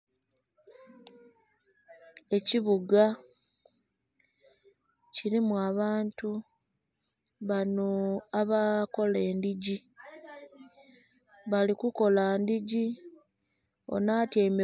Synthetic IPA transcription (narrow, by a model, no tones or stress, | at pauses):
e̞ciβuɡa | ciɾimuaβaːntu | βano̞aβako̞le̞ːndiɟi | βalikuko̞landiɟi | o̞̰naːtjeme